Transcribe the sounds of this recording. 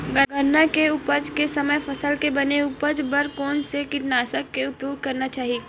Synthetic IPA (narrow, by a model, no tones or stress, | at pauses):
ɡəɡənːakeupəd͡ʒkesɐməjfʰɐsəlkebɐneuːpəd͡ʒbəɾkɔːnsekɪʈnaːsəkːeʊpjoːɡd̪̚kɐɾnat͡ʃaːɦie